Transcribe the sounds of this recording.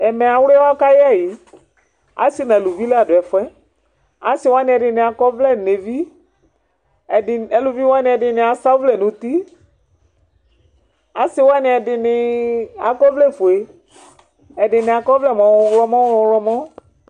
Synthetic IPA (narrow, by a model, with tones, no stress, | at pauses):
ɛ˨mɛ˨a˨wwa˦ka˦jɪ˦a˦˨jɪ˨ | a̰˦si˦nã˨lu˨vi˦la˦˨dʊ˨ɛ˨fɛ˦ | a˨˦sɪ˨˦wa˦nɪ̃˨ɛ˨dɪ˨nɪ̃˨a˨kɔ˦vlɛ˦˨ne˨vi˦ | ɛ˨dɪ˨ɛ˨lu˨vi˦wa˦nɪ̃˨ɛ˨dɪ˨nɪ̃˨a˨sa˦vlɛ˨nʊ̃˨t̪i˦ | a˨˦sɪ˦wa˦nɪ̃˨ɛ˨dɪ˨nɪ˨a˨kɔ˦vlɛ˦˨fo˨e˨ | ɛ˨dɪ˨nɪ̃˨a˨kɔ˦vlɛ˦˨mɔ̃˨˦wlɔ˦mɔ̃˦wɔ˨wlɔ˦mɔ̃˦